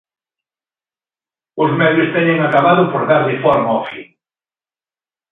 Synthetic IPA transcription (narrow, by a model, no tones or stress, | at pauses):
ʊzmɛðjʊst̪ɛɲɪŋakaβaðʊpoɾðaɾlɪfɔɾmɔfḭ